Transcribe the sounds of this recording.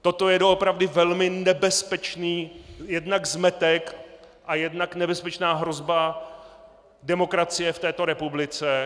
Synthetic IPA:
t̪o̞t̪o̞jɛdoʔopɾavdɪvɛlmɪnɛbɛspɛt͡ʃniːjɛdnaɡzmɛt̪ɛk | ʔajɛdnaknɛbɛspɛt͡ʃnaːɦɾo̞zba | dɛmo̞kɾat͡sɪjɛft̪ɛːt̪o̞ɾɛpublɪt͡sɛ

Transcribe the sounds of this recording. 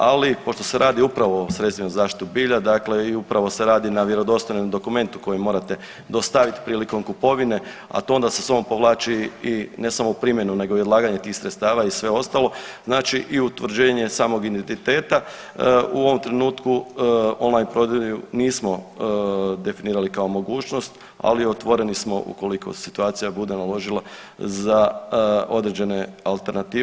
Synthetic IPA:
a̰lipo̞ʃt̪o̞seɾʔaːd̪iupɾaʋo̞osɾet̪st̪ʋʲinuzaːʃt̪i̥t̪ubiːʎad̪akle̞iupɾaʋo̞se̞ɾaːd̪inaʋje̞ɾo̞d̪o̞st̪ojnomd̪o̞kume̞nt̪u̥ko̞jimo̞ːɾat̪e̞ | d̪o̞st̪aʋit̪i̥pɾiːliko̞mkupo̞ʋine̞ | a̰t̪oond̪asesoompo̞ʋlˠaːt͡ʃiine̞samoupɾimje̞nune̞ɡo̞iod̪laːɡaɲe̞t̪iːxsɾet̪st̪aːʋaisʋe̞o̞st̪alˠo̞znaːt͡ʃiʔiut̪ʋr̩d͡ʑe̞ːɲe̞saːmo̞ɡind̪ent̪it̪e̞ːt̪a | ṵo̞ʋo̞mt̪ɾe̞nuːt̪kuonlajnpɾo̞d̪jejuniːsmo̞ | d̪e̞finiːɾalikao̞mo̞ɡuːt͡ʃno̞st̪ | a̰liot̪ʋo̞ɾe̞nismo̞̰ʔṵko̞likʰo̞̰sit̪uaːt̪sijabud̪e̞nalo̞ʒilˠa | za | o̞d̪ɾe̞d͡ʑe̞ne̞alˠt̪e̞ɾnat̪iː

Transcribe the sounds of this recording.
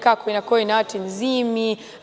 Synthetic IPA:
kakɔinakɔinatinzimi

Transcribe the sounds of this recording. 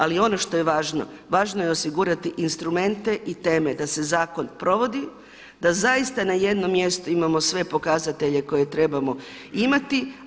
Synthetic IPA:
alio̞no̞ʃt̪o̞je̞ʋaːʒno̞̰ | ʋaːʒno̞jeo̞siɡuɾat̪iʔinst̪ɾume̞nt̪e̞ʔit̪e̞ːme̞d̪ase̞zaːko̞npɾo̞ʋo̞d̪i | d̪azaist̪anaje̞d̪no̞mːje̞st̪uimamo̞sʋe̞po̞kazat̪e̞ʎe̞ko̞je̞t̪ɾe̞bamo̞ | imat̪i

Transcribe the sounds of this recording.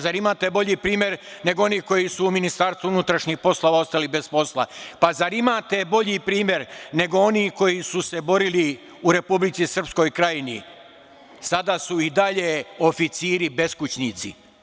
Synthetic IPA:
zaɾimaːt̪e̞bo̞ʎipɾiːmje̞ɾne̞ɡoo̞niːko̞jisuːminist̪aːɾst̪uunut̪ɾaʃɲixpo̞slˠo̞ʋao̞st̪alibe̞spo̞slˠa̰pazaɾimaːt̪e̞bo̞ʎipɾiːmje̞ɾne̞ɡo̞o̞niko̞jisuse̞bo̞ɾili | uɾe̞publit̪sisr̩psko̞jkɾajinḭ | sad̪asuid̪aʎe̞o̞fit̪siːɾibe̞skut͡ɕnit̪sḭ

